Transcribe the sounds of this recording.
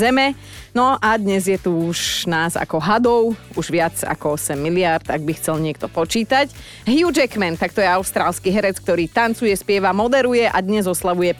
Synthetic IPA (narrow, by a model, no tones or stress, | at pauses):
zɛmɛ | nɔʔad̪ɲɛzjɛt̪uʒnaːza̰kɔɦad̪ɔʊuʒʋɪat͡sa̰kɔɔsɛmːilɪaɾd̪aɡbixt͡sɛlɲɪɛk̚t̪ɔpɔt͡ʃiːt̪ac | ɦjud͡ʒɛkmɛnt̪akt̪ɔjɛaʊst̪ɾaːlskiɦɛɾɛt͡sk̚t̪ɔɾiːt̪ant͡sujɛspɪɛʋamɔd̪ɛɾujɛʔad̪ɲɛzɔslaʋujɛ